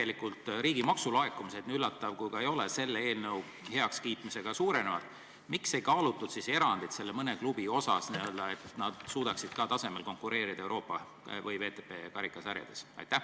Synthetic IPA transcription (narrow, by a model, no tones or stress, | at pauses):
elikˑult̪ˑɾiːɡ̥imɑksulɑekːˑumise̞d̪nyylːɑt̪ːˑɑvkujkɑe̞jo̞lese̞lːee̞ːlnɤw | he̞ɑkskiːt̪ˑmise̞ɡ̥ɑsuːɾe̞ne̞vɑ̰t̪ːˑ | mikse̞jkɑːlut̪ːˑud̪̥sise̞ɾɑnd̪̥it̪se̞lːemɤne̞klub̥io̞sɑ̰sniøld̪ɑe̞t̪nɑd̪̥suːd̪̥ɑksid̪̥kɑt̪ɑse̞me̞lkoŋkːuɾʔe̞ːɾid̪ɑe̞wɾo̞ːpːˑɑ | vɤjve̞ːt̪epeːkɑɾikːˑɑsæɾjɑ̰d̪e̞̥sɑ̰jt̪ːˑæ